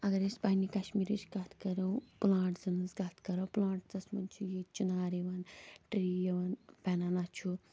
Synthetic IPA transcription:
ɐɡɐɾespɐɦnikɐʃmiːɾit͡ʃʰɡɐt̪ʰkɐɾɐwplãːʈd͡zɐnɐsɡɐt̪ʰkɐɾɐːplãːɳʈd͡zɐsmɐnt͡ʃʰujet͡ʃunaːɾiʋɐnʈɾiːjeʋɐnpɛnɐnat͡ʃʰu

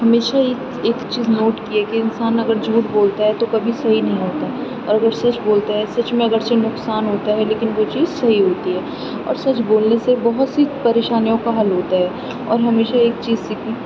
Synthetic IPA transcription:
hɐmeːʃae | eːkt͡ʃiːznoːʈkiɦɛːkiɪnsaːnɐɡəɾd͡ʒʱuːʈboːlt̪aɦɛt̪okɐbʱisɐɦinɐɦĩɦoːt̪aɦɛ | ɔːɾɐɡəɾsɐt͡ʃboːlt̪aɦɛsɐt͡ʃmẽɐɡəɾsenʊksaːnɦoːt̪aɦɛleːkɪnʋoːt͡ʃiːzsɐɦiɦoːt̪iɦɛː | ɔ̰ːɾsɐt͡ʃboːlnesebɐɦʊt̪sipɐɾeːʃaːnijõkaɦɐlɦoːt̪aɦɛː | ɔ̰ːɾɦɐmeːʃaeːk̚t͡ʃiːzsɪki

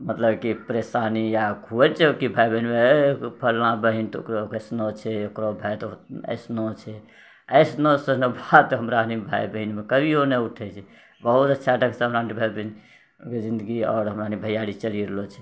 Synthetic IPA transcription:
mət̪ləbkipɾesanijakʰuəlt͡ʃʰɛokibʱajbəɦinmepʰəlːãbəɦint̪o̰kɾkəsnot͡ʃʰɛokɾobʱajt̪oə̰ɪsnot͡ʃʰɛ | əɪsnosənobʱat̪ɦəmɾanibʱajbəɦinmekəbʱioneuʈʰɛt͡ʃʰɛ | bəɦut̪ətːʃʰaɖəksɦəmɾanibʱajbin | ked͡ʒind̪əɡiɔ̰ːɾɦəmɾanibʱəjaɽit͡ʃəliɾelot͡ʃʰɛ̥

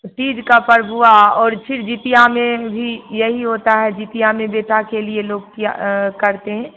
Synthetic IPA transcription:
ʈiːd͡ʒkapɐɾbʱuaɔːɾt͡ʃʰɪɾd͡ʒiːt̪ijamẽbʱijɐɦiɦoːt̪aɦɛd͡ʒiːt̪ijamẽbeːʈakelieloːɡ̚kia̰kɐɾt̪eɦɛ̃ː

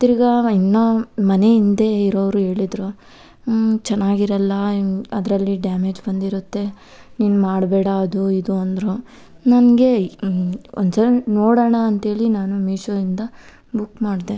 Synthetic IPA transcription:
t̪iɾiɡɐinːomɐne̞ind̪eiɾoːʋɾuɦe̞ːɭid̪ɾo | t͡ʃɛnːaːɡiɾɐlːɐɐd̪ɾɐlːiɖaːme̞ːd͡ʒbɐnd̪iɾut̪ːe̞ | niːnumaːɽbɛːɽaːd̪uid̪uɐnd̪ɾo | nɐnɡe̞ | o̰nsɐɾɐnoːɽɐɳɐːnt̪ɦe̞ːɭinaːnumiːʃoːɾind̪ɐ | bukːmaːɽd̪e

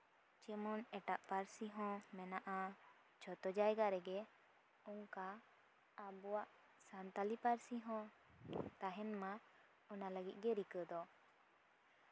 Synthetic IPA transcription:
t͡ʃɛmɔnɛʈaʔpaɾsiɦɔ̃mɛnaʔa | t͡ʃɔt̪ɔd͡ʒajɡaɾɛɡɛ | ɔŋkaː | bɔwaʔ | sant̪alipaɾsiɦɔ̃ | t̪aɦɛnma | ɔnaləɡit̪̚ˀɡɛɾikəd̪ɔ

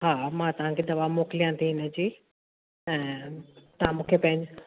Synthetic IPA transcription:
ɦaːmãt̪ɐʋ̤ãkʰed̪ɐʋaːmoːkɪlijãt̪ʰiɦɪnə̆d͡ʑiː | ɛ̃ːt̪ɐʋãmũːkʰepɐ̃ɦɪ̃ɲd͡ʑ

